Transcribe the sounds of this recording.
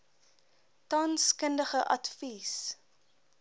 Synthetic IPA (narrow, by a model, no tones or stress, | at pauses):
tɑnskəndəχəʔɐtfis